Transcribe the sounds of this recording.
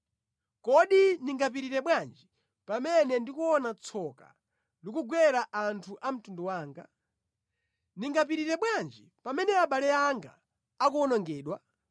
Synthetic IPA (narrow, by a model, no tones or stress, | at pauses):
kɔɗiniŋɡap̬iɾiɾɛɓwand͡ʒi | pamɛnɛndikuɔnat͡sʰɔka̰ | likuɡwɛɾaʔantʰuʔam̩tundɔwaːŋɡa | niŋɡap̬iɾiɾɛɓwand͡ʒi | pamɛnɛaɓalɛaŋɡa̰ː | k̬uɔnɔŋɡɛːɗwa